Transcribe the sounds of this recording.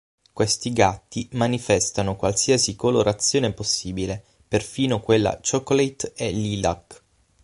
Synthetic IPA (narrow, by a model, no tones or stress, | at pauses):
kwest̪iɡat̪ːimanifɛst̪anokwalsiasikoloɾat̪sːjoːneposːiːbile | perfiːnokwelːa̰t͡ʃɔkolet̪elila̰k